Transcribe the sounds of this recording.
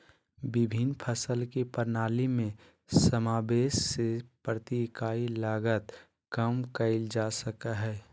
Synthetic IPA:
bɪbʱinpʰəsəlkipəɾnaːlimẽ | səmaːbeːʃsepɾət̪ikaːilaːɡət̪ | kəmkəɪld͡ʒasəkaɦɛː

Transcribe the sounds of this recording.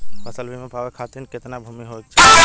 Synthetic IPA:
bəsəlbʱimẽpaʋekʰat̪inket̪nabʱumiɦot̪t͡ʃʰe

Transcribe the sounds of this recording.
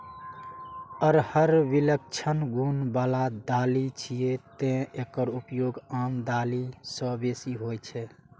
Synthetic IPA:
əɾhəɾʋilək̚t͡ʃʰənɡunbalad̪alit͡ʃʰijet̪ẽekəɾupjoɡamd̪alisə̃besiɦojt͡ʃʰɛ

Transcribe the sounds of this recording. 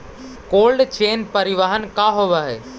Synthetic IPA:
koːlɖt͡ʃeːnpəɾɪʋaɦənkaːɦoʋaɦeː

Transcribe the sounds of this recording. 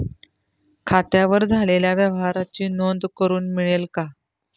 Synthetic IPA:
kʰat̪jaʋəɾd͡zʱaleljaʋjəʋɦaɾat͡ɕiːnond̪kəɾuːnmiɭelka

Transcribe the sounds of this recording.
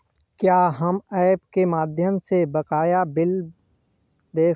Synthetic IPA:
kjaːɦɐmɛːpkemaːd̪ʱjəmsebɐkaːjabɪl | d̪eː

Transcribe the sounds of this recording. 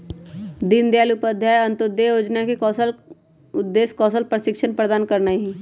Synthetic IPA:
d̪ɪnd̪jaːlupəd̪ʱjajə̃nt̪od̪ejoːd͡ʒnakikɔsəl | ʊd̪ːeːskɔːsəlpɾəʃɪkʃʰənpɾəd̪aːnkɐɾnaiɦɛ

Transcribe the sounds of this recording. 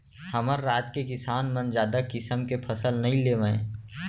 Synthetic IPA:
hɐməɾːaːd͡ʒkekɪsaːnmə̃nd͡ʒjaːd̪akɪsəmkepʰɐsəlnɐɦĩleːʋə̃ẽː

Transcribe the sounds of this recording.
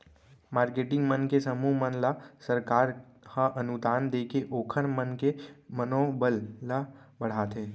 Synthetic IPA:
maːɾkeːʈɪ̃ŋɡmənkesəmumənlasəɾkaːɾhəʔənud̪aːnd̪eːkeʔoːkʰənmənkemənobəlːa | bəɽ̤aːt̪eː

